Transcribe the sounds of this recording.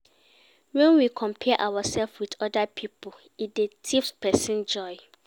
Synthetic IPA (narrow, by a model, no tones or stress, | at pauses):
wɛ̃nwikʰɔ̃mpʰɛʔawasɛlfwidɔdapʰipʰo | it̚detʰifspʰɛsĩnd͡ʒɔɪ